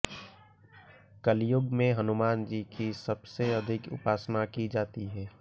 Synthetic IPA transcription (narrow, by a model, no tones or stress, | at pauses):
kəljʊɡmẽɦɐnʊmaːnd͡ʒiːkisɐbseɐd̪ʱɪkʊ̰paːsnakid͡ʒaːt̪iɦɛː